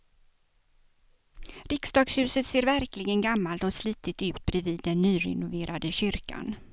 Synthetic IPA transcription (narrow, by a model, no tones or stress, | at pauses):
ɾɪksd̪ɑːɡshʉ̟ːsət̪seːɾvæɾklɪɡənɡamːalt̪ɔsliːt̪ɪt̪ːʉ̟ːt̪̚bɾɛviːd̪ːɛnːyːɾɛ̰nʊveːɾad̪əɕʏɾka̰n